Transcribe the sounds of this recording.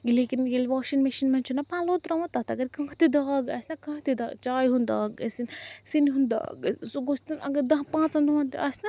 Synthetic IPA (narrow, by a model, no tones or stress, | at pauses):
leːkinjelʋaːʃinmɐʃinmɐnt͡ʃʰunɐpãːloːt̪ɾɐʋãt̪ɐt̪ɐɡɐɾkɐ̃ːt̪id̪aːɡɐːsʲnɐkɐ̃ːt̪id̪a̰ːɡt͡ʃaːjɦund̪a̰ːɡɐ̰sinsinɦund̪a̰ːɡsoɡost̪ɐnɐ̰ɡɐɾd̪ɐ̃ɦpãːt͡sɐ̃nd̪uãnt̪ḭʔɐsʲnɐ